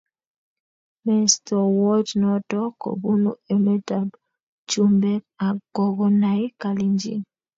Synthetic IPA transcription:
mi˦stɔ˨wɔ˦d͡ʒnɔ˨tɔ˦kɔ̰˨bu˦nṵ˨e˨me˦ta˨b | t͡ʃu˦mbɛ˦ka˨ɡɔ˨ɡɔ˨na˨i˦ka˨li˨nd͡ʒḭ˦n

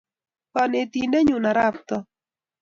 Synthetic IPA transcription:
kɔ˨ne˨t̪i˨nde˦ɲu˨na˨ɾa˦p̚t̪ɔ˦

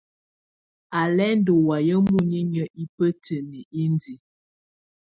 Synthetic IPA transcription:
a˨lɛ˦n̩˦do˨wa˨jə˦mu˦˨ɲi˦ɲə˦ʔi˦pə˦tʰə˨ni˨i˦n˦di˨˦

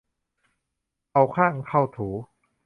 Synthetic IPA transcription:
ʔa˧wkʰaː˥˩ŋkʰa˥˩wt̪ʰuː˩˦

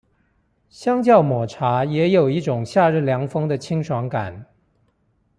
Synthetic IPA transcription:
ɕjɑ˥ŋt͡ɕjɑ˥˩ʊmwɔ˨˩ʈ͡ʂʰa˧˥jɛ˧˥jo˨˩ʊi˥˩ʈ͡ʂʊ˨˩ŋɕja˥˧ɻɻ̩˥˩ljɑ˧˥ŋfɤ˥ŋd̪ə˨t͡ɕʰi˥ŋʂʰwɑ˧˥ŋka̰˨˩˦n

